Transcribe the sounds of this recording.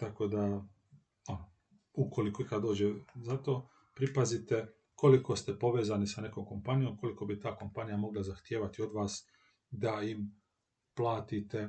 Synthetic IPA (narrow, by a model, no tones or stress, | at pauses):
t̪ako̞d̪a | ono | uko̞likoikad̪d̪o̞ːd͡ʑezat̪o̞ː | pɾipazit̪e̞ | ko̞liko̞st̪epo̞ʋeːzanisane̞ko̞ːmko̞mpanijo̞mko̞liko̞bit̪aːko̞mpanijamo̞ɡlazaxt̪jeːʋat̪io̞d̪ʋaːs | d̪aim | plˠaːt̪it̪e̞